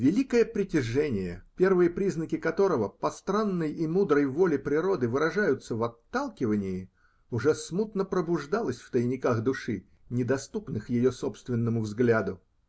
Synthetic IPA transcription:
vʲɪlʲikəjəpɾʲɪtʲɪʐɛnʲɪjə̰pʲe̞rvɨjəpɾʲiznəkʲɪkɐt̪o̞ɾəvəpɐst̪ɾanːəjimud̪ɾəjvo̞lʲɪpɾʲɪɾo̞d̪ɨvɨɾɐʐajʊt̪səvɐt̪ːalˠkʲɪvənʲɪjɪ | ʊʐɛsmut̪nəpɾəbʊʐd̪alˠəsʲft̪əjɪnʲɪkaxd̪ʊʂɨ | nʲɪd̪ɐst̪upnɨxjɪjoso̞pst̪vʲɪnːəmʊvzɡlʲad̪ʊ

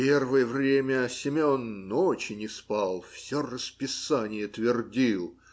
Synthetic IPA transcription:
pʲervɨjəvɾʲemʲəsʲɪmʲonːot͡ɕɪnʲɪspɑlˠfsʲorəspʲɪsanʲɪjət̪vʲɪrdʲilˠ

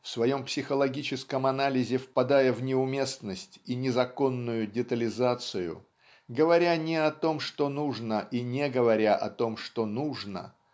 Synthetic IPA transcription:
fsvɐjo̞mpsʲɪxəlˠɐɡʲit͡ɕɪskəmɐnalʲɪzʲɪfpɐd̪ajəvnʲɪʊmʲe̞snəsʲtʲinʲɪzɐko̞nːʊjʊdʲɪt̪əlʲɪzat̪sɨjʊ̰ | ɡəvɐɾʲanʲɪɐt̪o̞mʂt̪o̞nuʐnəʔinʲeɡəvɐɾʲaʔɐ̰t̪o̞mʂt̪o̞nuʐnə̰

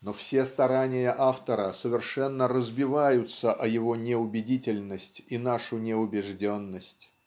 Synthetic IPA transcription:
nofsʲe̞st̪ɐɾanʲɪjəʔaft̪əɾəsəvʲɪrʂɛnːəɾəzbʲɪvajʊt̪səʔɐjɪvo̞nʲɪʊbʲɪdʲitʲɪlʲnəsʲtʲinaʂʊnʲɪʊbʲɪʐdʲonːəsʲtʲ

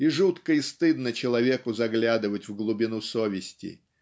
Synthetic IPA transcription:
iʐut̪kəist̪ɨd̪nət͡ɕɪlˠɐvʲe̞kʊzɐɡlʲad̪ɨvətʲvɡlˠʊbʲɪnusovʲɪsʲtʲɪ̰

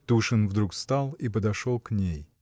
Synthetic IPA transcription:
t̪uʂɨnvd̪ɾukst̪alˠipəd̪ɐʂolˠknʲej

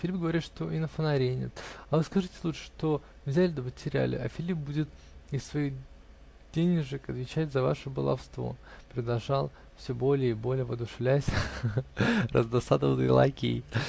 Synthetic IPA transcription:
fʲlʲip̚ɡəvɐɾʲit̪ʂt̪o̞ʔinəfənɐɾʲenʲɪ̰t̪ɐvɨskɐʐɨtʲɪlˠutʂə̥ʂt̪o̞ | vzʲælʲɪd̪əmətʲɪɾʲæ̰lʲɪ̰ʔɐ̰fʲɪlʲip̚budʲɪt̪ | ɪssvɐi | dʲenʲɪʐɨkɐt̪vʲɪt͡ɕætʲzɐva̰ʂɨbəlˠɐ̰fst̪vo̞̰pɾʲɪd̪lˠɐʐalˠ | fsʲobo̞lʲɪjəibo̞lʲɪjəvɐd̪ʊʂɨvlʲæsʲ | rʔə̰zd̪ɐsad̪əvənɨ̰jlˠa̰kʲiɪ

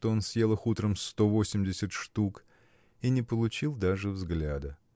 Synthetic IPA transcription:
t̪oonsʲjelˠəxut̪ɾəmst̪o̞vo̞sʲɪmʲdʲɪsʲɪt̪ʂt̪uk | inʲɪpəlˠʊt͡ɕilˠd̪aʐɨvzɡlʲad̪ə

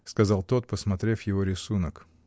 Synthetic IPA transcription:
skɐzɑlˠt̪o̞t̪̚pəsmɐt̪ɾʲefjɪvoɾʲɪsunək

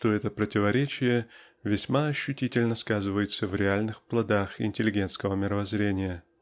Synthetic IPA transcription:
ʂt̪oɛt̪əpɾətʲɪvɐɾʲet͡ɕɪjə | vʲɪsʲmaɐɕːʊtʲitʲɪlʲnəskazɨvəjɪt̪səvɾʲɪalʲnɨxplˠɐd̪axɪ̰nʲtʲɪlʲɪɡʲe̞nt̪skəvəmʲɪɾəvɐzɾʲenʲɪjə

